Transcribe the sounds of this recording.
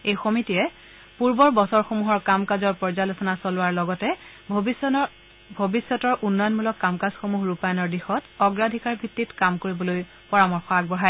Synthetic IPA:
ejxomitijɛ | puɹbɔɹbɔsɔɹxomuɦɔɹkamkazɔɹpɔɹzalosɔnasɔlʊwaɹlɔɡɔtɛ | bʱobisːɔtɔɹʔunːɔjɔnmulɔkːamkasxomuɦɹupajɔnɔɹdixɔtɔɡɹadʱikaɹbʱitːitkamkoɹibɔloj | pɔɹamɔɹxɔaɡ̚bɔɦaj

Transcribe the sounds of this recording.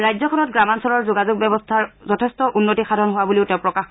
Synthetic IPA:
ɹajzɔkʰɔnɔtɡɹamansɔɹɔɹzʊɡazʊɡ̚bɛbɔstʰaɹzɔtʰɛstɔʔunːotixadʱɔnɦʊwabuliʊtɛ̃ʊ̃pɹɔkax

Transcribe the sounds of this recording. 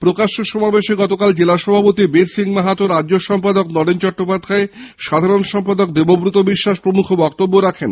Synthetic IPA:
pɾokaʃoʃɔmabeʃeɡɔt̪okald͡ʑelaʃɔbʱapot̪ibeɾsiŋmaɦat̪oɾadːʑoʃɔmpad̪oknɔɾent͡ɕɔʈːopad̪ʱːae | ʃad̪ʱaɾonʃɔmpad̪ok̚d̪ebobɾut̪obiʃːaʃpɾomukʰobɔk̚t̪obːoɾakʰen

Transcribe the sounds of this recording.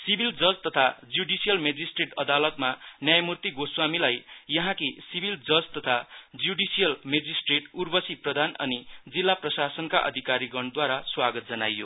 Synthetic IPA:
sibʱild͡zʌd͡zt̪ʌt̪ʰad͡zuɖisijʌlmed͡zisʈreʈʌd̪alʌt̪manjajmurt̪iɡoswamilajjʌɦãkisibʱild͡zʌd͡zt̪ʌt̪ʰad͡zuɖisijʌlmed͡zisʈreʈurbʌsiprʌd̪ʱanʌ̰nid͡zilːaprʌsasʌnkaʔʌ̰d̪ʱikaɾiɡʌɳd̪waɾaswaɡʌt̪̚d͡zʌna̰jːo

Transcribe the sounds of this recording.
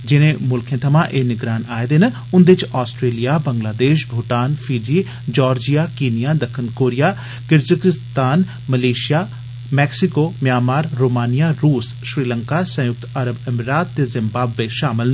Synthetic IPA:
d͡ʒɪnẽːmʊlkʰẽːt̪ʰəmãːʔeːnɪɡɾaːnaːed̪en | ʊnd̪ɪt͡ʃaːsʈɾeːlijaːbəŋɡlaːd̪eːʃbʱʊːʈaːnfʰiːd͡ʒiː | d͡ʒɔːɾd͡ʒijaːkiːnɪjaːd̪əkʰːənkoːɾɪjaː | kɪɾzəkɪst̪aːn | məleːʃɪjaː | mɛːksɪkoːmjaːmaːɾːoːmaːnɪjaːɾuːs | ʃɾiːləŋkaːsə̃jʊk̚t̪əɾəbɪmɾaːt̪ːeːzɪmbaːbʋeʃaːmɪln

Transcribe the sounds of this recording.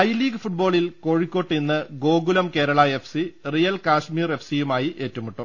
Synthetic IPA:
ɐjliːɡɨfuʈ̚bo̞ːɭilko̞ːɻikʲːo̞ːʈːɨninːɨɡo̞ːɡulɐmke̞ːɾɐɭɐe̞fsirijɐlkaːʂmiːre̞fsijumaːjiʔe̞ːtːumuʈːum

